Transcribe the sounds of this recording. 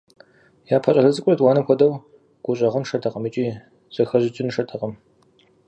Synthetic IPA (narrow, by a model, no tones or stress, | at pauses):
jaːpʰɐɕʼɐɮɐt͡sʼɨkʷʼʊrɐdwaːnɐxʷʰɔdɐw | ɡ̥ʷʊɕʼɐʁənʂɐtʰɐqɐmit͡ʃʼiː | z̥ɐxɐʑɪt͡ʃʼɪnʂɐtʰɐqʼɐm